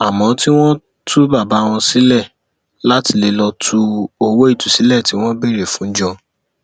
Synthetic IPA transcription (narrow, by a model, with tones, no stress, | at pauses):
a˨mɔ̃˨˦ti˦w̃ɔ̃˦ | tʰu˦ba˦˨ba˨˦˧w̃ɔ̃˧si˨˦lɛ˦˨ | la˦ti˧˦le˨˧lɔ˧tʰu˦˧o˧wo˦i˦˨tu˨si˨˦lɛ˦˨ti˨˦w̃ɔ̃˦be˦˨ɾe˨fũ˨˦d͡ʒɔ̃˧